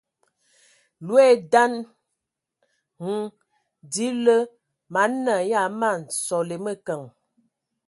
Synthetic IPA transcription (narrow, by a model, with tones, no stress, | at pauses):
lwe˦˨da˦n | ŋ̩˦ | di˨˦lə˦ | ma˨˦nə˨ja˦˨ma˦˨n̩˨sɔ˨le˨mə˦kə˨ŋ